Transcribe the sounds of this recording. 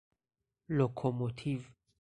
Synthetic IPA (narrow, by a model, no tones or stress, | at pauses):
lokʰomot̪ʰiv